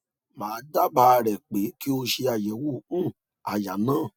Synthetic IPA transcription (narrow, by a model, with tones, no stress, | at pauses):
mãː˨˦da˦ba˧˦˧ɾɛ˨k͡pe˨˦ki˦o˧ʃe˧a˨jɛ˨˦wõ˦˨˦ | a˨ja˨nãː˦˨